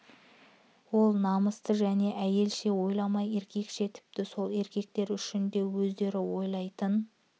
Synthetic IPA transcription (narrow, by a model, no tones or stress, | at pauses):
wo̞lˠnɑməst̪əʒæne̞ʔæje̞lʃe̞wo̞jlˠɑmɑje̞ɾkʲʰe̞kʃe̞t̪ʰɪ̥p̚t̪ɪso̞lˠe̞ɾkʲe̞k̚t̪e̞ɾʏʃɪnd̪e̞wɵzd̪e̞ɾɪwo̞jlˠɑjt̪ən